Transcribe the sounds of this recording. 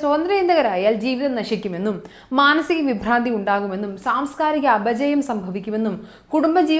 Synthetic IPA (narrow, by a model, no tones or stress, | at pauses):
swɐːɐnd̪ɾɐind̪ɐɣɐɾaːjaːld͡ʑiːʋiðɐnɐɕikʲːume̞nːumː | aːnɐsiɣɐʋibʱɾaːnd̪iuɳɖaːɣume̞nːumsaːmskaːɾiɣɐːbɐd͡ʑɐjɐmsɐmbʱɐʋikʲːume̞nːum | kuɽumbɐd͡ʑiː